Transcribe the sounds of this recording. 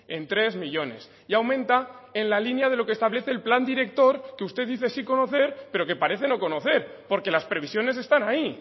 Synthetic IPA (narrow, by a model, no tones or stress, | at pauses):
e̞nt̪ɾe̞zmiʎo̞ne̞̰s | iawmẽ̞nt̪ae̞nlalinjað̞e̞lo̞kest̪aβle̞θe̞ːlpland̪iɾe̞k̚t̪o̞ɾkeust̪e̞ðiθe̞siko̞no̞θe̞ɾpe̞ɾo̞ke̞paɾe̞θe̞no̞ko̞no̞θe̞ɾpo̞ɾke̞laspɾe̞β̞isjo̞ne̞s̬e̞st̪anai